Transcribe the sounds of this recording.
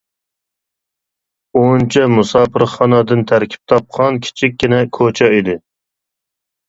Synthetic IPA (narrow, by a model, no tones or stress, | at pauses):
ont͡ʃʰɛmusɑːpʰɨɾχɑnɑd̪ɨnt̪ʰæɾkʲʰi̥p̚t̪ʰɑp̚qʰɑnkʲʰi̥t͡ʃʰik̚ʲːinɛkʰot͡ʃʰɛid̪ɪ